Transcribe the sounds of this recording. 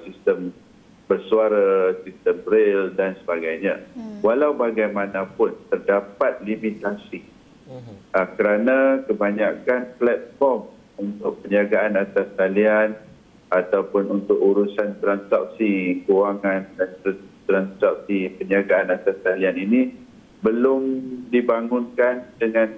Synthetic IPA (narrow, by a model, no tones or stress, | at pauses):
sist̪əm | bərsuaɾasist̪əmɾeldansəbaɡajɲãwalawbaɡajmãnãpʊnt̪ərdapat̪̚limit̪asi | ʔakəɾanãkəbaɲakanplɛt̪̚fɔrm | unt̪ʊk̚pəɲiaɡaʔanat̪ast̪alian | at̪awpʊnunt̪ʊkuɾusant̪ɾansa̰p̚sikuwaŋandant̪t̪ɾansap̚sipəɲaɡaanat̪astalianini | bəlʊmdibaŋʊnkandəŋãn